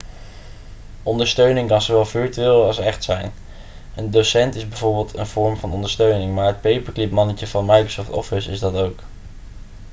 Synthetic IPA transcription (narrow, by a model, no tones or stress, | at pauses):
ʔɔndəɹstøɥnɪŋkɑnzowʋɛlˠvɪɹtyeːlˠɑlˠsɛχtsɛ̰jn | əndosɛntɪzbɛjvoːɹbɪːlˠtə̰nv̥ɔɹmvɑnɔndəɹstøɥnɪŋmaːɹɦət̚pejpəɹklɪpmɑnəcəvɑnmɑjkrosɔftɔ̰fɪsɪzdɑtowk